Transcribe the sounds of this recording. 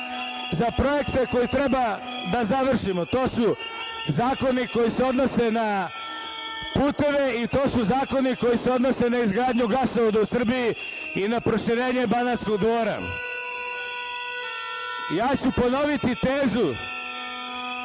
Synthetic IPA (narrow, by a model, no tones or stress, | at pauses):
zapɾo̞je̞kt̪e̞ko̞jit̪ɾe̞ba | d̪azaʋr̩ʃimot̪o̞ːsu | zaːko̞niko̞jise̞o̞d̪no̞se̞na | puːt̪e̞ʋe̞it̪o̞ːsuzaːko̞niko̞jiseo̞d̪no̞se̞naizɡɾaːd̪ɲuɡasoʋod̪ausr̩biji | inapɾo̞ʃiɾe̞ːɲe̞banasko̞ɡd̪ʋo̞ːɾa̰ | jaːt͡ɕupo̞no̞ʋit̪it̪e̞ːzu